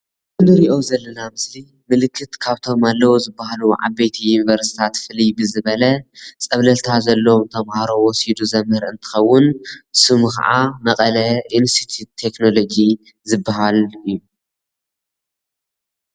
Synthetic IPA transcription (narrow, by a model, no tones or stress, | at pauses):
ʔɨnɨɾiʔo̞zɐlːɐnamɨsli | mɨlɨkʰːɨt̪kʰaβt̪ʰo̞malːɐwozɨbːahaluʕa̰bejt̪ʰijunivɐɾsi̥t̪ʰat̪fɨlijbɨzɨβɐlɐt͡sʼɐβlɐlt̪ʰazɐlːɐomt̪ʰɐmhaɾo̞wɔsid̪uzɐmhɨɾɨnt̪ʰɨ̥xɐwːʊnsɨmka̰ʕamɐkʼɐlɐinst̪it̪ʰut̪ʰːe̞kno̞lo̞d͡ʒi | zɨbːahalɨjːu